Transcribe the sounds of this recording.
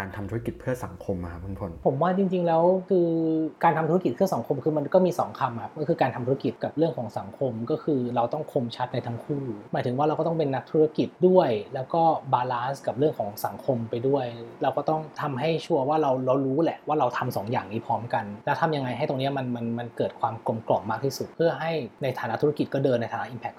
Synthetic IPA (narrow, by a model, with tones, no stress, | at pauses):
aː˧nt̪ʰa˧mtʰu˧˦˥a˦˥ki˨˩t̪̚pʰɯ˥˩ɐsa˩˦ŋkʰo˧mː˧˩kʰa˦˥pʰɯː˧˩pʰo˧npʰo˩˦mwaː˥˩t͡ɕi˧ŋt͡ɕi˧ŋlɛː˦˥wkʰɯː˧kaː˧nt̪ʰa˧mt̪ʰu˦˥ki˩pʰɯ˥˩əsa˩˦ŋkʰo˧mkʰɯː˧ma˧nkɔː˥˩miː˧sɔ̰ː˩˦ŋkʰa˧mhʰa˦˥pkɔː˥˩kʰɯː˧kaː˧nt̪ʰa˧t̪ʰːa˥ki˨˩t̪̚ka˨˩p̚ɾɯ˥˩əŋkʰɔː˩˦ŋsa˨˩˦ŋkʰo˧mkɔː˥˩kʰɯː˧ɾa˧wt̪ɔ˥˩ŋkʰo˧mt͡ɕʰa˦˥t̪̚na˧jt̪ʰa˦˥ŋkʰuː˥˩uː˦maː˩˦t̪ʰɯ˩˦waː˥˩a˧wkɔː˥˩t̪ɔ˥˩pe˧nːa˦˥k̚t̪ʰuː˦˥ɾa˦˥ki˨˩t̪̚du˥˩əjlɛː˦˥wkɔː˥˩baː˧laː˦˥nska˨˩p̚ɾɯ˥˩əŋkʰɔː˩˦ŋsa˩˦ŋkʰo˧mpa˧jdu˥˩əjɾa˧wkɔː˥˩t̪ɔ˥˩ŋt̪ʰa˧mɦa˥˩jt͡ɕʰu˥˩ɐwaː˥˩ɾa˧wɾa˧wɾuː˦˥lɛ˨˩ʔwaː˥˩ɾa˧wt̪ʰa˧msɔ̰ː˩˦ŋjaː˨˩ŋniː˦˥pʰɔː˦˥mka˧nlɛː˦˥wt̪ʰa˧mja˧ŋːa˧jɦa˥˩jt̪o˧ŋni˦˥ɐma˧nma˧nma˧nkɤː˨˩t̪̚kʰwaː˧mklo˧˩mklɔː˨˩pmːaː˥˩k̚t̪ʰi˥˩su˨˩t̪̚pʰɯ˥˩ɐɦa˥˩jna˧jt̪ʰaː˩˦na˦˥t̪ʰːu˦˥a˥ki˨˩t̪̚kɔː˥˩dɤː˧na˧jt̪ʰaː˨˦na˥ʔiː˧npʰɛ˦˥k̚